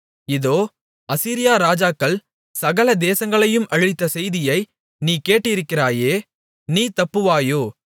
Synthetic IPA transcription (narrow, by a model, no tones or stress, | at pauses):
ɪðoː | ɐsiːɾɪjaːɾaːd͡ʒaːkːɐɭ | sɐɣɐlɐd̪eːsɐŋɡɐɭɐjɯmʔɐɻɪt̪ːɐsɛjðɪjɐɪ | niːkeːʈːɪɪɾɯkːɪraːjeː | niːt̪ɐpːɯʋaːjoː